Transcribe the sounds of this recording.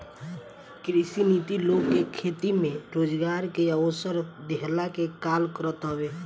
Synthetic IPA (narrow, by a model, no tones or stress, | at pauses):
kɾisinit̪iloːɡkekʰeːt̪imẽɾoːd͡ʒɡaːɾkeaʋəsəɾd̪eɦlakekaːlkəɾət̪ɦɔweː